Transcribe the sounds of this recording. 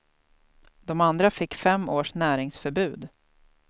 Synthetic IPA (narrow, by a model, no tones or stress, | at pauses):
d̪̥ɔmand̪ɾafɪkːfɛmːoːʂnæːɾɪŋsfœɾbʉ̟ːd̪